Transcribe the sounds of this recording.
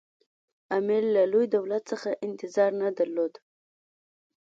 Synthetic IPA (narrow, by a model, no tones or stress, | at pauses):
amelːalojd̪awlat̪səxaʔɪnt̪ɪzɑɾnad̪aɾlod̪